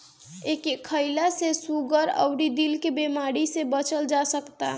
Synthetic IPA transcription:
ekekʰəɪlasesuɡəɾə̰ʊɾid̪ilkebemaɽisebət͡ʃəld͡ʒasəkt̪a

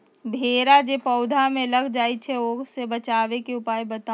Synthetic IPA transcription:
bʱeːɾad͡ʒepəʊd̪ʱamẽləɡd͡ʒaːit͡ʃʰɛoːɡsebət͡ʃaːʋekeʊpaːjbət̪a

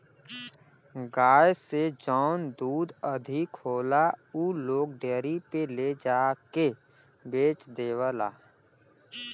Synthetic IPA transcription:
ɡaːjsed͡ʒɔːnd̪uːd̪əd̪ʱɪkɦoːlauːloːk̚ɖeːɾipeled͡ʒaːke | beːt͡ʃd̪eːwəla̰ː

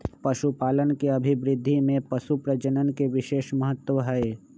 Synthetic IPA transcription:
pɐʃupaːlənkeɐbʱibɾɪd̪ʱːimẽpɐʃupɾəd͡ʒənənkeʋɪʃeːʃmɐɦət̪ːʋəɦəe

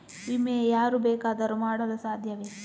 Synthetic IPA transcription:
imːejaːɾubɛːkaːd̪ɐɾumaːɽɐlusaːd̪ʱjɐʋeː

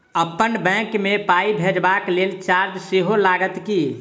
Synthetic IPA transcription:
əpːənbɛ̃kmepaibʱed͡ʒbaklelt͡ʃaɾd͡ʒseɦolaɡət̪ki

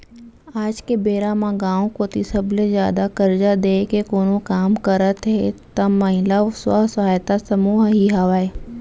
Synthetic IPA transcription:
aːd͡ʒkebeːɾamãɡãːõkot̪ɪsəblezjaːd̪akɐɾd͡ʒad̪eːkekoːnõkaːmkəɾət̪ɦet̪ɐmːɐɦɪlaoswa̰ɦsɐɦaːjt̪asɐmuːɦɦiɦaʋaːe

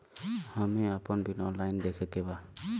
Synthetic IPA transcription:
hamɛapɔnbinɔnlajnd̪ɛkʰɛkɛba

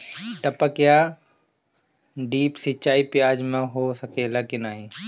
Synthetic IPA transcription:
ʈɐpəkja | ɖiːpsɪt͡ʃaːipjaːd͡ʒmẽɦosəkʰelaːkinaːɦĩː

